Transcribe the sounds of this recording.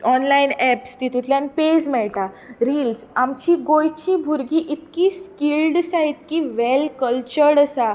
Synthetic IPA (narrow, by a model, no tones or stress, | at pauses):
ɔnlainɛpst̪it̪ut̪ʰljãnped͡zmɛɭʈa | ɾiːlsamt͡ɕiɡojt͡ɕibʱuɾɡiʔit̪kiskilɖsaɦit̪̚kiʋelkəlt͡ɕəɾɽəsa